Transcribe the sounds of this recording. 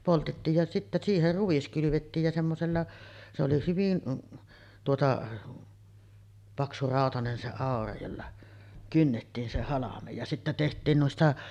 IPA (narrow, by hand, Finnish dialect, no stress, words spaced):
poltetːiːj jɑ sitːæ siːher ruʋ̆is kylyʋetːiːj jɑ semːoselːɑ se oli hyʋin tuotɑ pɑksurɑˑotɑnen se ɑˑorɑ jolːɑ kynːetːiːn se hɑlɑmej jɑ sitːæ tehtˑiːn nuistɑ